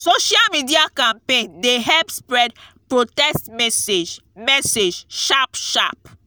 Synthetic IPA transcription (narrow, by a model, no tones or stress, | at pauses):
soʃalmidiakãmpẽndeɦɛlpspɹɛdpɹotɛstmɛsed͡ʒmɛsed͡ʒʃapʃa̰p